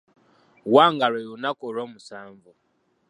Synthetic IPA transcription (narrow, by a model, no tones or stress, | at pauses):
waŋɡaɾejunakoɾomusaːɱvu